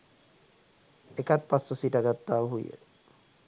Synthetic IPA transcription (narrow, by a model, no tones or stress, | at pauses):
ekat̪̚pasːəsiʈaɡat̪ːaːʋɦujə̰